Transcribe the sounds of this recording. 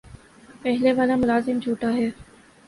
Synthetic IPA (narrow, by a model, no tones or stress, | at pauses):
pɛɦleʋaːlamʊlaːzɪmd͡ʒʱuːʈaɦɛː